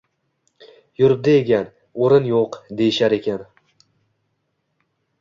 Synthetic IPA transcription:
jʊɾɪb̚d̪aeɡʲan | oɾɪnjoqd̪e̞jɪʃaɾe̞kʲan

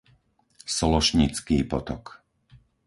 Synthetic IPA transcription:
sɔlɔʃɲit͡skiːpɔt̪ɔk

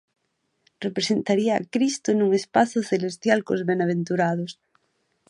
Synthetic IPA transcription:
repɾesent̪aɾia̰ːkɾist̪ʊnuŋespaθʊθelest̪jalko̰zβenaβ̞ent̪uɾað̞ʊs

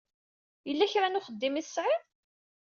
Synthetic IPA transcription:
jəlːæçɾænʊχəd̪ːimiθsːʕɪð

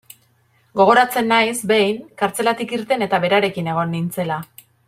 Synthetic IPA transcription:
ɡo̞ɣ̞o̞ɾat͡se̞nːajsbe̞jŋkaɾt͡se̞lat̪ikiɾt̪e̞ne̞t̪aβe̞ɾaɾe̞kine̞ɣ̞o̞nːint͡se̞la

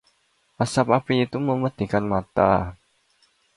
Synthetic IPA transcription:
ʔasapapiːt̪uməməd̪̥i̤kanmat̪a̰

